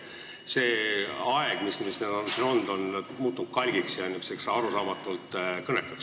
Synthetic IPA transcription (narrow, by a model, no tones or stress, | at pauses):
se̞ːɑeɡ̥mismisneːd̪̥o̞nsino̞nd̪̥o̞nmuːt̪ːˑunud̪̥kɑlʲɡ̥iksjɑnimiseksɑɾusɑːmɑt̪ːˑult̪ˑkɤnekːˑɑ̥ks